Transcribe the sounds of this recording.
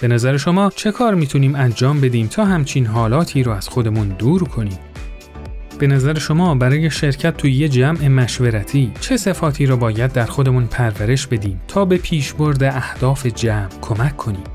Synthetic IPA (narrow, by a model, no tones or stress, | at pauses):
b̥e̞næzæɾeʃo̞mɒːt͡ʃʰe̞kʰɒːɾmiːt̪ʰuniːmænd͡ʒɒːmbe̞d̪iːmt̪ʰɒːɦæmt͡ʃʰiːnɦɒːlɒːt̪ʰiːɾɒːæz̥xo̞d̪e̞mund̪uːɾkʰo̞niːm | b̥e̞næzæɾeʃo̞mɒːbæɾɒːje̞ʃe̞ɾcʰæt̪̚ʰːuːjed͡ʒæmʔe̞mæʃveɾæt̪ʰiːt͡ʃʰe̞se̞fɒːt̪ʰiːɾɒːbɒːjæd̪ːæɾxo̞d̪e̞munpʰæɾvæɾe̞ʃbe̞d̪iːmt̪ʰɒːbe̞pʰiːʃbo̞ɾd̪eʔæhd̪̥ɒːfe̞d͡ʒæːmkʰo̞mæcʰːo̞niːm